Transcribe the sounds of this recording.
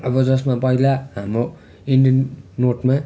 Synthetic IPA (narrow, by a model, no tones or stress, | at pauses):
ʌbʌd͡zʌsmapʌɦilaɦamɾo | iɳɖijʌnːoʈma